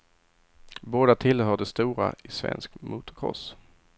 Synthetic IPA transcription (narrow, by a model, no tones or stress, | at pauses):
boːd̪at̪ʰɪlhœːɖɛst̪uːɾaɪsvɛ̰nskmuːt̪ʊkʰɔ̰s